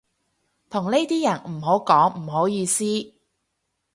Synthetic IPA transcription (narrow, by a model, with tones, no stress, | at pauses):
t̪ʰʊ˨˩ŋne˥jt̪iː˥jɐ˨˩nm̩˨˩ɦo˨˥wkɔː˨˥ŋm̩˨˩ho˨˥wjiː˧siː˥